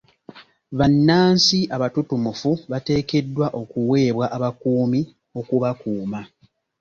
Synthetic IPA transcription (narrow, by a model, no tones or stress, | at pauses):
βanːaːnsiʔaβatutumufuβate̞ːke̞dːwaʔo̞kuwe̞ːβwaʔaβakuːmi | o̞kuβakuːma